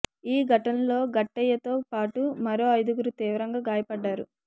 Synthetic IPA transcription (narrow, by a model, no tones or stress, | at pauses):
iːɡɐʈɐnlo̞ːɡɐʈːɛjːɐt̪o̞ːpaːʈumɐɾo̞ːɐjd̪uɡuɾut̪iːʋɐɾɐŋɡaːɡaːjɐpɐɖːaːɾṵ